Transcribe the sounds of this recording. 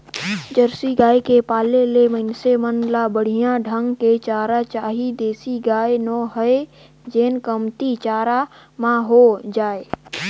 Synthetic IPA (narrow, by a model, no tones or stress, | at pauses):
d͡ʒəɾsiɡaːekepaːleleməɪnsemənlabəɽ̤ijãɖʱəŋɡket͡ʃaːɾat͡ʃaːɦid̪eːsiɡaːenɔɦəe | d͡ʒeːnkəmt̪it͡ʃaːɾamãɦod͡ʒaːe